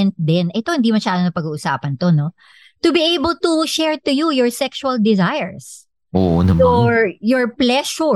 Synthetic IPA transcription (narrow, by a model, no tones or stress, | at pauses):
ɛnt̪̚d̪ɪnʔɛt̪ohɪnd̪imɐʃaːd̪onɐpɐɡuːʔʊsa̰ːpɐnt̪o̞no̞ | t̪ʊbiʔejbɐlt̪uʃɛɹt̪ʊjujɔɹsɛkʃuɐld̪ɪzajɛɹs | ʔo̰ːʔo̰nɐɔɹjɔɹplɛʃʊ